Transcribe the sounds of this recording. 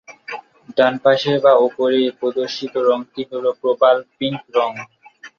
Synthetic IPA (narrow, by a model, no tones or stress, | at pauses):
ɖanpaʃebaopoɾepɾod̪oɾʃit̪oɾɔŋt̪iɦolopɾobalpiŋkɾɔŋ